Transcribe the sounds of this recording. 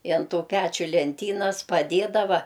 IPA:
ɪ ɐn ˈtuː ˈpʲæt͡ʃʲʊ lʲɛnʲˈtʲiːnɐs pɐˈdʲeːdɐʋɐ

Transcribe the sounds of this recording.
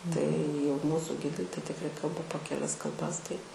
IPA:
tɐɪ jɛʊ ˈmuːsʊ ˈɡʲɪdɐɪ tɐɪ tʲɪkˈrɐɪ ˈkɐlˠbɐ poː kʲɛˈlʲɛs kɐlˠˈbɐs tɐɪ

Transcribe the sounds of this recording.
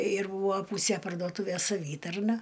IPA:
ɪr ˈbuːʋoː ˈpuːsʲeː pɐrdoːˈtuːʋʲeːs sɐˈʋʲiːtɐrnɐ

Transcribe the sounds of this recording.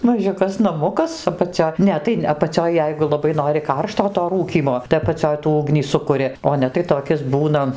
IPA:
mɐˈʒʲʊkɐs nɐˈmʊkɐs ɐpɐˈt͡sʲoː ˈnʲɛ tɐɪ ɐpɐˈt͡sʲoːj ˈjɛɪɡʊ lˠɐˈbɐɪ ˈnoːrʲɪ ˈkɐrʃtoː toː ˈruːkʲiːmoː tɐɪ ɐpɐˈt͡sʲoːj tuː ˈʊɡnʲiː ˈsʊkʊrʲɪ oː ˈnʲɛ tɐɪ toːˈkʲɪs ˈbuːnɐ

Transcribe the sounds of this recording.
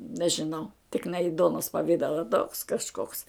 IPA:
nʲɛʒʲɪˈnɐʊ tʲɪk nʲɛ ɪ ˈduɔnoːs pɐˈʋʲɪdɐlˠɐ toːks kɐʃˈkoːks

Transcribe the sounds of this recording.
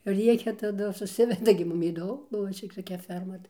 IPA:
ˈrʲiɛkʲɛ tɐˈdʊ sʊˈsʲɪʋʲɛdɐ ɡʲɪ ˈmʊm iːˈdoː ˈbʊʋoː t͡ʃʲɛ toːˈkʲɛ ˈfʲɛrmɐ tɐɪ

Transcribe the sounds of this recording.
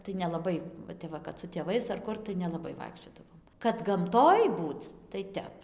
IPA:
tɐɪ nʲɛlˠɐˈbɐɪ ʋɐ ˈtʲɛp ʋɐ kɐt sʊ tʲeːˈʋɐɪs ɐr ˈkʊr tɐɪ nʲɛlˠɐˈbɐɪ ˈʋɐɪkʃʲt͡ʃʲoːdɐʋoːm kɐt ɡɐmˈtoːj ˈbuːt͡s tɐɪ ˈtʲɛp

